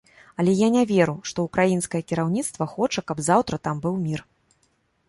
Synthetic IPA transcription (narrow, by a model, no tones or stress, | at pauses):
ɐlʲɛjanʲɛvʲɛɾuʂt̪ɔukɾajinskɐjɐkʲiɾawnʲit̪st̪vɐxɔt͡ʂɐkɐbzawt̪ɾɐt̪ambɨwmʲir